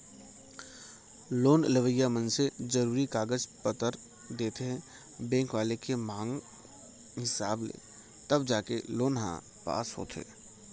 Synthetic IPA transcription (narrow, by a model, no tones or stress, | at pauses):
loːnləʋəjamə̃nsezɐɾuːɾikaːɡəd͡ʒpət̪əɾ | d̪eːt̪eɦɛ̃ | bɛ̃ːŋkʋaːlekemãːŋɡ | ɦɪsaːblḛː | t̪ɐbd͡ʒaːkeloːnɦã̰ | pa̰ːsɦo̰ːt̪ʰḛː